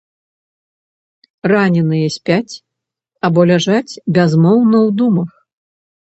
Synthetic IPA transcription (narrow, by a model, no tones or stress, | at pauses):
ranʲɛnɨjɛsʲpʲat͡sʲ | abɔlʲaʐat͡sʲbʲazmɔwnɐwd̪umɐx